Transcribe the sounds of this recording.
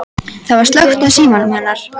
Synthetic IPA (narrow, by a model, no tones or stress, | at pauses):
θavaɾst̪lœxt̪asiːmanmhɛnːaɾ̥